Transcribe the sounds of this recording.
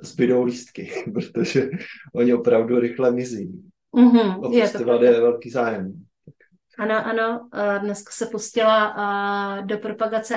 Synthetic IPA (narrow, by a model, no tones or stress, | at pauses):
zbɪdowliːst̪kɪpɾot̪oʒɛʔoɲɪopɾavduɾɪxlɛmɪzi | m̩ɦm̩ojɛsvadɛvɛlkiːzaːjɛm | t̪ak | ʔano̞ʔano̞dnɛskḁsɛpuscɪla | do̞pɾopaɡat͡sɛ